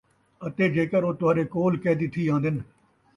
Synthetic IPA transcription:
ət̪eːd͡ʒeːkəɾoːt̪ʊaːɾeːkoːlkɛːd̪ɪt̪ʰːiːãːnd̪ɪn

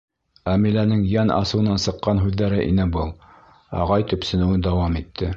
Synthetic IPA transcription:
æmilænɘŋjænʔɑ̰sɤ̆w̆nɑnsɤ̆qːɑnɦʉðːæɾɘʔḭnɘbɤlˠ | ɑ̰ʁɑjt̪ɵ̆psɘ̆nɘ̆wɘnd̪ɑwɑmit̪ʰːɘ

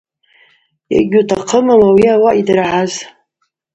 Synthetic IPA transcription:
ja̰ɡʲutʰaqʰəmalawiawaʔidrʕaz

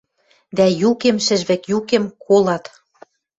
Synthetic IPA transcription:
d̪æjukĕmʃɘ̆ʒβĕkjukĕmkʰolɑt̪

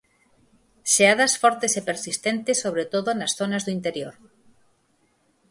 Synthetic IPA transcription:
ʃeaðasfɔɾt̪esepeɾsist̪ent̪esːoβɾet̪oðonasθonazðuint̪eɾjoɾ

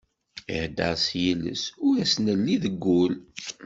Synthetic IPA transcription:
ḭħd̪ːə̰ʁsjilə̰sʊɾæsnəlːiðəɡːul

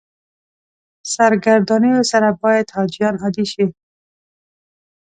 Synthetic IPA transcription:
saɾɡaɾd̪ɑnijosaɾabɑjat̪hɑd͡ʒijɑnɑd̪iʃi

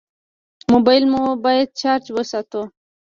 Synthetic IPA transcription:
mobajlmubɑjad̪̚t͡ʃaɾt͡ʃwəsat̪o

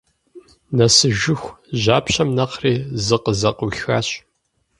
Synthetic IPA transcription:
nɐsɨʒʊxʷʑaːpɕɐmnɐqriːzɨqəzɐquxaːɕ

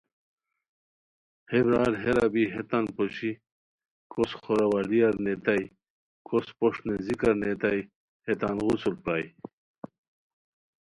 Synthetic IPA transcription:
hebɾaːɾɦeɾabiɦet̪anpoɕi | kosxoɾɐwalijɐɾnet̪aj | kʰospoʂnezikɐɾnet̪aj | het̪anɣusulpɾaj

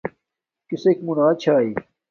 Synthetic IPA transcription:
kisekmunaːt͡ɕʰaːiː

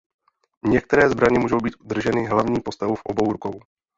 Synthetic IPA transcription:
ɲɛk̚t̪ɛɾɛːzbɾaɲɛmuːʒo̞wbiːt̪ʔud̪r̩ʒɛnɪɦlavɲiːpo̞st̪avufʔobo̞wɾuko̞w

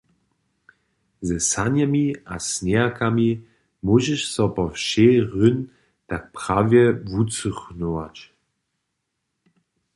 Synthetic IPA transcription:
zɛsanɛmiasnɛakami | muʒɛʃsɔpɔfʃeːʁʏn | tak̚pʁ̥avjɛvut͡suχnowat͡ɕ

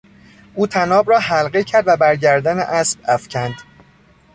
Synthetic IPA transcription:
ʔuːt̪ʰænɒːbɾɒːɦælɢecʰæɾd̪væbæɾɟæɾd̪ænḛʔæsb̥̚æfcʰænd̪̥

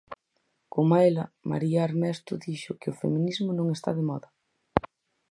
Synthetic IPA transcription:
komaelɐma̰ɾiɐaɾmɛst̪ʊðiʃʊkɪʊfḛmĩnizmʊnõŋest̪a̰ðemɔðɐ

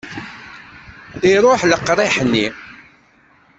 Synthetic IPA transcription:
θiɾˤoħləqːɾˤiħənːi

